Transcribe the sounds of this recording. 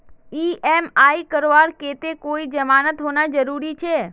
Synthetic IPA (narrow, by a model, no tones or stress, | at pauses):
iɛmaikəɾoʋaɾket̪ekoid͡ʒəmanət̪ɦonad͡ʒəɾuɾit͡ʃʰe